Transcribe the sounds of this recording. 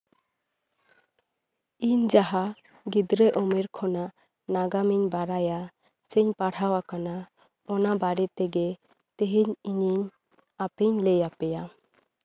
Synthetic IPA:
iɲd͡ʒaɦa | ɡid̪ɾɛʔɔmɛɾkʰɔnaʔ | naɡamiɲbaɾaja | siɲpaɽawakana | ɔnabaɽɛt̪ɛɡɛ | t̪eɦiɲiɲiɲ | apiɲlɛjapɛja

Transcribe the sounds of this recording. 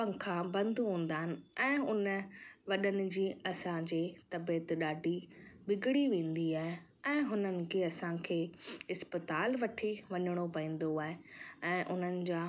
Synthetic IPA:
pɐ̃ŋkʰãbɐ̃nd̪ʱɦũːnd̪aːɦɪnɪ̆ɛ̃ːʊnəʋɐɗənɪ̆d͡ʑiːɐsãd͡ʑeːt̪ɐbeːt̪ɗaːɖʱiɓɪɡɪɽiʋẽːn̆d̪iaːɦe | ɛ̃ːɦʊnənɪ̆kʰeːɐsãkʰeːɪspət̪aːlʋɐʈʰiʋɐɲəɽ̃opɐĩːn̆d̪oaːɦeɛ̃ːʔʊn̤ənɪ̆d͡ʑaː

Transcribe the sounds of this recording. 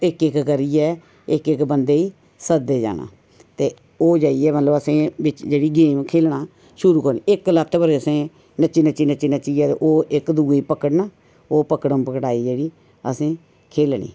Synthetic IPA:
ɪkɪkkəɾiːɛː | ɪkɪkbənd̪eːiː | səd̪eːd͡ʒa̰ːna̰ː | t̪eː | oːd͡ʒaːiːɛːmət̪ləbəsẽːʋɪt͡ʃd͡ʒeːɽiːɡeːmkʰeːlnaː | ʃʊɾuːkəɾnḭɪklət̪ʰːbəɾeəsẽː | nət͡ʃːiːnət͡ʃiːnət͡ʃiːnət͡ʃiːɛːt̪ḛʔoːʔɪkd̪uːeiːpəkəɽnaː | oːpəkəɽə̃mpəkɽaːiːd͡ʒeːɽiː | əsẽː | kʰeːlnḭː

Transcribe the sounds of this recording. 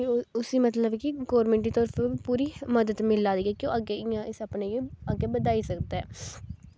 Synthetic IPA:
ʊsiːmət̪ləbkɪɡɔːɾmẽːɳʈ̬iːt̪ɔːɾpʰpuːɾiːməd̪əd̪mɪlaːd̪iːɛːkjõːʔəɡeɪjãːɪsəpneːeəɡeːbəd̪aːiːsəkd̪aɛ̰ː

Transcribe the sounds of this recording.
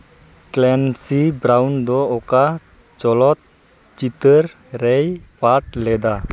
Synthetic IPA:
klɛnsibɾawnd̪ɔɔka | t͡ʃɔlɔt̪̚ | t͡ʃit̪əɾː | ɛjpaʈ̚lɛd̪a

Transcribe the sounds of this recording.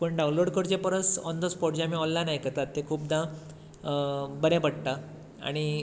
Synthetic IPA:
pəɳɖaũnloɽkəɾd͡ʑepəɾəsɔnd̪ʱəspɔʈ̚d͡ʑãmiɔ̃llanajkət̪at̪ːekʰuːp̚d̪ã | bəɾẽpəɽt̪a | a̰ɽ̃i

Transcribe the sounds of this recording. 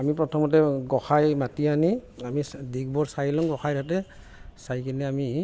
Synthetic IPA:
amipɹɔtʰɔmɔtɛɡɔxajmatianiamisdik̚bɔɹsajlɔŋɡɔxajɾʰatɛ | sajkinɛami

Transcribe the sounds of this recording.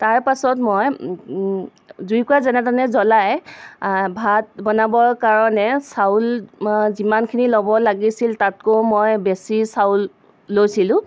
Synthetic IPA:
taɹpasɔtmɔj | zujkɔjazɛnɛtanɛzɔlaj | bʱat̚bɔnabɔɹkaɹɔnɛsawlzimankʰinilɔbɔlaɡisiltat̚komojbesisawlː | ojsilʊ̃

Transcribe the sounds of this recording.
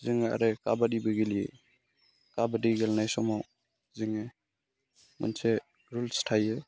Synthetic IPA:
ziŋea̰ɾeka̰badibiɡiljḛ | kabadiɡɛlnajsɔmaw | ziŋe | mṵnse | ɾulstʰaje

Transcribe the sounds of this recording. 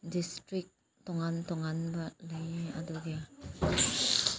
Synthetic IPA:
distɾik̚ | t̪ɔŋant̪ɔŋanbalajaduɡe

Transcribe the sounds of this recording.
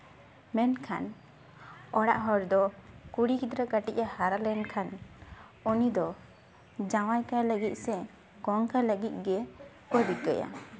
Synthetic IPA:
mɛnkʰa̰n | ɔɽaʔɦɔɾd̪ɔkuɽikid̪ɾəkəʈiʔ̚ahaɾalɛnkʰan | ɔnid̪ɔ | d͡ʒawajkaləɡit̪̚sɛ | ɡɔŋkaləɡit̪̚ˀɡɛ | pəɖikəja̰

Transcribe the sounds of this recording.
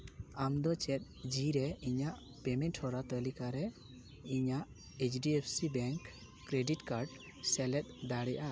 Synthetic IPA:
amd̪ɔt͡ʃɛt̪̚d͡ʒiɾɛiɲaʔ | pemɛnʈʰhɔɾat̪ɔlikaɾɛ | iɲaʔ | et͡ʃʰɖiepʰsibɛŋk | kɾeɖiʈkaɾɖ | sɛlɛt̪̚d̪aɽɛjʔa

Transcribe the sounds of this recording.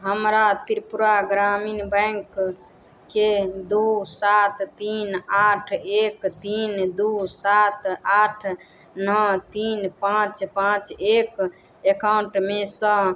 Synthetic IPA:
ɦəmɾat̪iɾpuɾaɡɾaminbəjŋkː | ed̪usat̪t̪inaʈʰekt̪ind̪usat̪aʈʰ | nət̪inpãt͡ʃpãt͡ʃek | ekawɳʈmesə̃

